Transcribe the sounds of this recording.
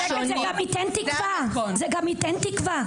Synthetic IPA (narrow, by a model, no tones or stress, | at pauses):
zeɡamit̪ɛnt̪ikvazeɡamit̪ɛnt̪ikva